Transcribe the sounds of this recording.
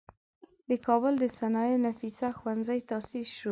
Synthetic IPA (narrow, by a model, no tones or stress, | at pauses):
d̪əkɑbʊld̪əsanɑjenafisaxwanzajt̪ɑsisʃu